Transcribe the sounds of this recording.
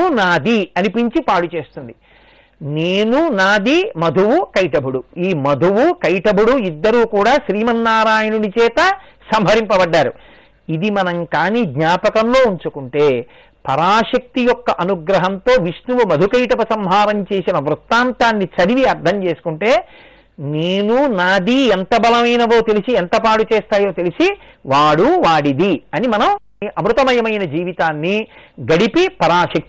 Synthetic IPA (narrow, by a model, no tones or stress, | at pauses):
naːd̪ʱiɐnipiɲt͡ʃipaːɽut͡ʃe̞ːst̪und̪i | neːnunaːd̪ʱimɐd̪ʱuwukɐjʈɐbʱuɽuiːmɐd̪ʱuʋukɐjʈɐbʱuɽuid̪ːɐɾuːkuːɽaːʃɾiːmɐnːaːɾaːjɐnunit͡ʃɛːt̪ɐ | sɐmɦɐɾimpɐbɐɖːaːɾṵ | id̪imɐnɐŋkaːniːd̪ɲaːpɐkɐnlo̞ːuɲt͡ʃukuɳʈe̞ː | pɐɾaːʃɐk̚t̪ijɔkːɐʔɐnuɡɾɐɦɐnt̪o̞ːʋiʂnuʋɐmɐd̪ʱukɐjʈɐpɐsɐmɦaːɾɐmt͡ʃe̞ːsinɐʋɾut̪ːaːnt̪aːnːit͡ʃɐɾiʋiɐɾd̪ʱɐmt͡ʃe̞ːsu̥kuɳʈe̞ː | neːnunaːd̪iːent̪ɐbɐlɐmɐjnɐʋo̞ːt̪e̞lisient̪ɐpaːɽut͡ʃeːst̪aːjo̞ːt̪e̞lisi | ʋaːɽuʋaːɽid̪iɐnimɐnɐm | ʔɐmɾut̪ɐmɐjɐmɐjnɐd͡ʒiːʋit̪aːnːiɡɐɽipipɐɾaːʃɐk̚t̪i